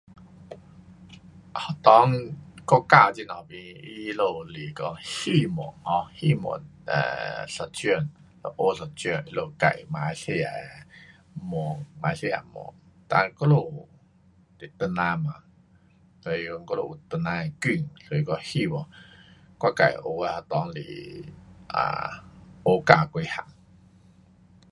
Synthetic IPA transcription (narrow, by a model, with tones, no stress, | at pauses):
ha˨˩t̪ɔ˦ŋkɔ˦˧ka˧˨t͡ɕi˧˨nɔ˨˩bi˧i˦lo˧li˨˩˨kɔ˧hi˥˧˨mɔ̰˨˩ŋɔ˧˦hi˥˧˨mo̰˨˩nə̰˨sɔ˧˩t͡ɕy˧˨n | lo˧ʔo˧˨sɔ˧˩t͡ɕy˧ə˧˨nʔi˦˧˦lo˧˨ka̰˨jma˧˦jse˧˨a̰˨ | mɔ˨ŋma˧˦se˧ja̰˨˩mɔ̰˨˩ŋt̪a̰˧kɔ˦lo˧˨ | t̪e˨t̪ə˧nã˧ma˨˧ŋ | sɔ˧i˧ɔ˧ŋkɔ˦lo˧˨ʔu˨˩t̪ə˧nã˧˨ky˥˧˨ŋso˧i˧kɔ˧hi˥˧˨bɔ˧˨ | ka˧˨ka̰˨jʔo˧˦a˧ha˧t̪ɔ˨˧˦ŋlḭ˨ | ʔa̰˨˩ʔo˧˦ka˧kʷe˧ha̰˨˩ŋ